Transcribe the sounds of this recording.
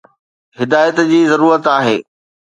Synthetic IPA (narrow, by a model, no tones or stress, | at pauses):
ɦɪd̪aːjət̪d͡ʑiːzɐɾuːɾət̪aːɦeː